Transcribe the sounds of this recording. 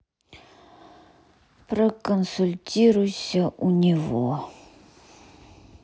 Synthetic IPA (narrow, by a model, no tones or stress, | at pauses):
prəkənsʊlʲtʲiɾʊjsʲəʔunʲɪvo̰